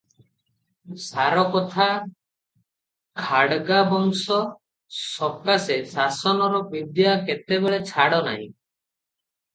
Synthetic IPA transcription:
saɾɔkɔt̪ʰa | kʰaɽɡabɔŋsɔ | sɔkasesasɔnɔɾɔpid̪jaket̪ebeɭet͡ʃʰaɽɔna̰ɦḭ̃

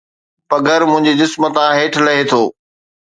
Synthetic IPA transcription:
pɐɡʱəɾmʊ̃ɦɪ̃ɲd͡ʑed͡ʑɪsmət̪ãɦeːʈʰlɐɦet̪ʰoː

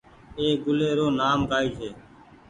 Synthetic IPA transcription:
eːɡʊleːɾoːnaːmkaːiːseː

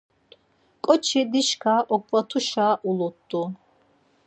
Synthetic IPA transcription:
kʼɔt͡ʃʰɛd̪iʃkʰaːʔɔkʼvat̪ʰuʃaːʔulɔt̪ʼːu

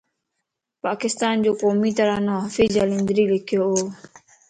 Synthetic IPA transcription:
pakist̪and͡ʒokomĩt̪aɾanɔfid͡ʒalind̪ɾilikioo

